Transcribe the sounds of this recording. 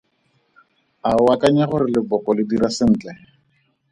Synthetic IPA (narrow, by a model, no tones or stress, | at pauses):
aʊwakaɲaχʊɾɪlɪbɔkɔlɪdiɾasɪŋ̩ːt͡ɬʼɛ